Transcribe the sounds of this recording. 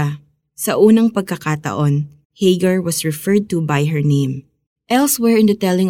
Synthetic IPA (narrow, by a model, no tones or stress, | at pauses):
sɐʔuːnɐŋpɐɡ̚kɐkaːt̪ɐ̰ʔon | hejɡɐɹwɔsɹɪfɛɹd̪̚t̪ubajɦɛɹnẽj̃m | ʔɛlswɛɹɪ̃nd̪ɐt̪ɛlɪ̃ŋ